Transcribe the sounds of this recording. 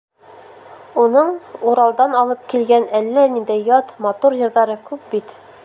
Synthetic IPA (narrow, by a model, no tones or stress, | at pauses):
unɤɴuɾɑlˠd̪ɑnɒlˠɤp̚kilɡænælːænind̪æjjɒt̪mɑt̪uɾjɤ̆ɾðɑɾɤkʉp̚bit̪